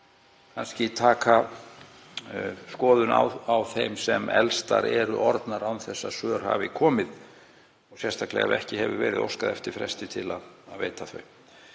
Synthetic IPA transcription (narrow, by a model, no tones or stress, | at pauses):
kʰanscɪt̪ʰaːka | skɔːðʏna̰wawθejmsɛmɛlst̪a̰ɾɛɾʏʔɔɾt̪naɾawnθɛsːasœːɾ̥ha̰vɪkʰɔːmɪð | ɔsjɛst̪ʰaklɛ̰ɣa̰ðɛhcɪɦɛvʏvɛːɾɪðo̰wskaðɛft̪ɪɾfɾɛst̪ɪt̪ʰɪlaðːðveːjt̪aθœɥm